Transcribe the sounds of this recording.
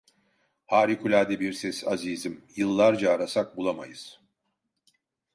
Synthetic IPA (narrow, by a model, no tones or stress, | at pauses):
haːɾikʰylʲaːd̪ɛbiɾsɛsaziːzimjɯlˠːaɾd͡ʒaːɾasak̚bulˠama̰jɯz̥